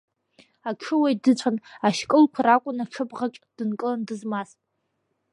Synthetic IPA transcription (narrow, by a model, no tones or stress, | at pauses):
aʈ͡ʂʰɨwajdɨt͡ɕʷʰʼanaʃkʼɨlkʷʰaɾakʷʼʊnaʈ͡ʂʰɨbʼʁat͡ʃʼd̥ɨnkʼɨlandɨzmasʼ